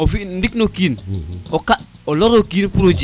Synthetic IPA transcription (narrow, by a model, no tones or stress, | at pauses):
ofindiknokiːnokaoloɾokiːnpuɾod͡ʒ